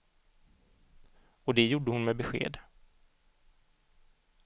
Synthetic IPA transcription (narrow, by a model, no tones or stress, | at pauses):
ɔd̪ɛjuːɖːəhʊnmɛbɛɧḛːd̪